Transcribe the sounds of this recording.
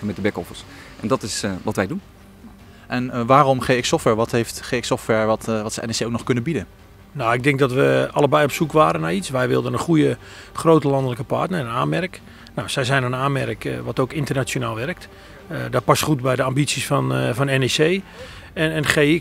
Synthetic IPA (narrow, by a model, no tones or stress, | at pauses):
əmɛt̚dəbɛkɔfərsʔɛndɔtɪsʋɔtʋɛjdun | ʔɛnʋaːrɔmχeɪksɔftʋɛɹʋɔthejftχeːksɔftʋɛɹʋɔtʋɔtsəɛnseoknɔχxkɵnəbidə | nawɪɡ̚dɪŋk̚dɔtʋəɑlˠəbɛjɔpsukʋaːɾənaitsʋɛjʋɪlˠdənənχujə | χroːtəlɑndələkəpa̰ɹtnəənaːnmɛrk | nawsɛjzɛjnənaːmɛrəkʋɔtowkɪntərnat͡ʃjonaːlˠʋɛrək̚t | dɔt̚pɑsχutbɛjdəambisisfɔnfɔnɛnesej | nɛnχe